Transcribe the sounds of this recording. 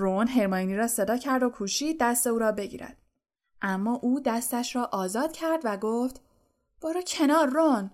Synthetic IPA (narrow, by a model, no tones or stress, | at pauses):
ronɦe̞ɾmɒjniɾɒːse̞d̪ɒːcʰæɾd̪o̞kʰuːʃiːd̪̚ːæst̪e̞uːɾɒːbe̞ɟḭɾʔæ̰d̪̥̚ | ʔæmːɒːʔuːd̪æst̪æʃɾɒːʔɒːzɒːd̪̥cʰæɾd̪væɡoːft̪ | b̥ɒːɾuːcʰe̞nɒːɾːon